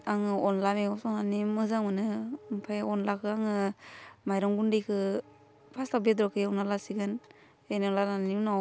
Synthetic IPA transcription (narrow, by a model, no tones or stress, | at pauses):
aŋɯɔnlameɔsɔnanimɯzaŋmɯnɯmpʰajɔnlakʰɯaŋɯmajɾɔŋɡundejkʰɯ | pʰastabedɾɔkʰɯjawnalasiɡɯn | enalanainaw